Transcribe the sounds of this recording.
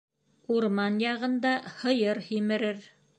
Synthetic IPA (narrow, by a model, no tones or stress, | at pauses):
uɾmɑnjɑʁɤ̆nd̪ɑhɤ̆jɤɾhimɘ̆ɾɘɾ